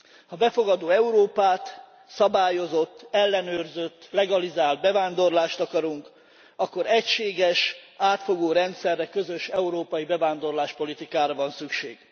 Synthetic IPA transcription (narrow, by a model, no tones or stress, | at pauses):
hɒbɛfo̞ɡɒd̪oːɛuɾoːpaːt̪ | sɒbaːjo̞zo̞t̪ːɛlːɛnøːrzøt̪ːlɛɡɒlizaːld̪̚bɛvaːnd̪o̞rlaːʃt̪ɒkɒɾuŋk | ɒkːo̞ɾɛcʃeːɡɛʃaːt̪fo̞ɡoːɾɛnt̪sɛrːɛkø̞zøʃɛuɾoːpɒjibɛvaːnd̪o̞rlaːʃpolit̪ikaːɾɒvɒnsykʃḛːɡ̥